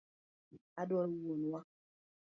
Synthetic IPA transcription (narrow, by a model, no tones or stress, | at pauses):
adɔwonwa